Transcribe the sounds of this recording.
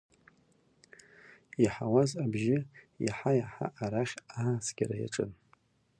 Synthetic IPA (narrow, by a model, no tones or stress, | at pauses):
iħawazabʒɪ | ja̰ħajaħa̰ʔːɾaχʲasɡʲara̰ja̰ʈ͡ʂʼɨn